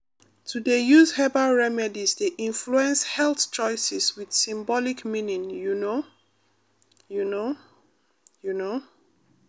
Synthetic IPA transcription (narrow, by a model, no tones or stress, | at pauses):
tʰudejuzhɛbaɹɛmɛdizdeʔĩnfluɛ̃nshɛlθt͡ʃɔjsɛswid̥sĩmbɔlikmĩnĩŋjuno | juno | juno